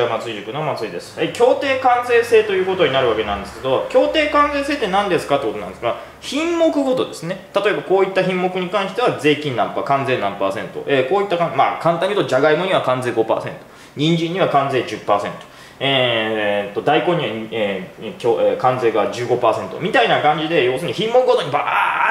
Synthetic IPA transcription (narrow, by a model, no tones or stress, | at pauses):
mat͡sɨiʑikɯ̟noamat͡sɨid̪esɨ̥ekʲo̞ːt̪e̞ːkãnd͡ze̞ːse̞ːt̪o̞jɯ̟ːko̞t̪o̞ɲ̟inaɾɯ̟βake̞nãnd̪esɨ̥ke̞d̪o̞kʲo̞ːt̪e̞ːkãnd͡ze̞ːse̞ːt̪ːenãnd̪e̞sɨ̥kat̪ekot̪onãnd̪sɡaɡa | çĩmmo̞kɯ̟ɡo̞t̪o̞d̪e̞sɨne̞t̪at̪o̞e̞bako̞ːit̪ːaçĩmːo̞kɯ̟ɲ̟ikãɰ̃ɕi̥t̪e̞βaze̞ːkʲĩnnãmpaːkãnze̞nãmpaːsẽ̞nt̪o̞̰ʔeːko̞ːit̪ːakãma̰ːkãnt̪ãɲʲːiɯt̪od͡ʑaɡaiɡo̞ɲ̟iβakãnd͡ze̞ːɡo̞pa̰ːsẽ̞̰nt̪o̥ | ɲ̟ĩɲ̟d͡ʑĩɲ̟ːiβakãnd͡ze̞ːʑɨpːaːsẽ̞nt̪o̥ | e | t̪ːo̞d̪aikoɲ̟iβaekʲoekãnd͡ze̞ːɡad͡ʑɨːɡo̞paːsẽ̞nt̪o̞̰mʲit̪ainakãɲ̟d͡ʑid̪e̞jo̞ːsɨːɲ̟içĩmːo̞kɯ̟ɡo̞t̪o̞ɲ̟iba